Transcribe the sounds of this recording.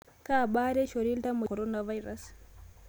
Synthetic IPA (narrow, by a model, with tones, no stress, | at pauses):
ka˨ɓa˦ɾe˦ʃo˨ɾi˦lta˦mu˨koɾonavaiɾa̰s